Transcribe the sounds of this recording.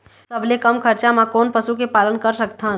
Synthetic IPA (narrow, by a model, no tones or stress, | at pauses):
sɐbʱlekɐmkʰɐɾt͡ʃamãkoːnpəsukepaːlənkəɾsək̚t̪ã